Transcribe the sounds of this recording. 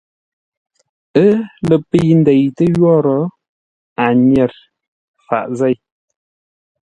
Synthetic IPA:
ə˦lə˨pi˦jn̩˦dɛ˨jtə˦jwɔ˦ɾɔ˨˦ | a˨ɲɛ˨ɾ | fa̰˨ʔzɛ˦˨j

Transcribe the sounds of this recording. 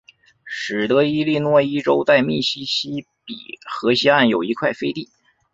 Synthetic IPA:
ʂɻ̩˨˩t̪ɤ˧˥i˥li˥˧nwɔ˥˧i˥ʈ͡ʂo˥ʊt̪a˥˧ɪmi˥˩ɕi˥ɕi˥ | pḭ˨˩xɤ˧˥ɕi˥a˥˩njo˨˩ʊi˧˥kʰwa˥˩ɪfe˥ɪt̪i˥˩

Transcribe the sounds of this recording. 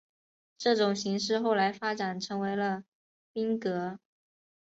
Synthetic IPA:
ʈ͡ʂɤ˥˩ʈ͡ʂʊ˨˩ŋɕi˧˥ŋʂɻ̩˥˧xo˥˩ʊla˧˥ɪfa˥ʈ͡ʂa˨˩nʈ͡ʂʰɤ˧˥ŋwe˧˥ɪlə˧ | pi˥ŋkɤ˧˥

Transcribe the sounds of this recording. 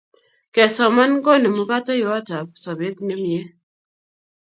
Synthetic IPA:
kɛ˨sɔ˨ma˦nkɔ˦ne˨mu˦ka˦tɔ˦jɔ˨˦a˦ta˨p̚sɔ˨be˦t̪ne˦mi˦ɛ˦

